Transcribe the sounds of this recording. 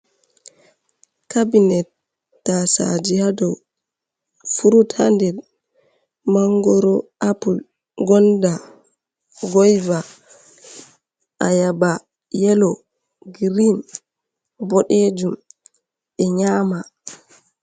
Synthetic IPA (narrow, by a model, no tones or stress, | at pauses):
kabinɛtː | asa̰d͡ʒiadɔ | fuɾutʰandɛl | maŋɡɔɾɔʔapul | ɡɔnda | ɡɔjva | ʔa̰jaba | jɛlɔ | ɡɾin | bɔɗed͡ʒum | ɛɲaːma